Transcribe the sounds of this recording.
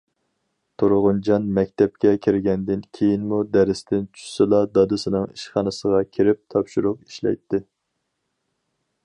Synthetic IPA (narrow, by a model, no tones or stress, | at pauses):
t̪ʰoɾʁʊnd͡ʒɑnmɛkʲt̪ʰɛp̚kʲɛkʲʰiɾɡʲɛnd̪ɪnkʲʰejinmud̪æɾɪst̪ɪnt͡ʃʰy̥sɨlˠɑd̪ɑd̪ɨsɨnɨŋiʃχɑnɨsəʁɑkʲʰiɾɪp̚t̪ʰɑpʃuɾʊqi̥ʃlɛ̰jt̪ʰːɪ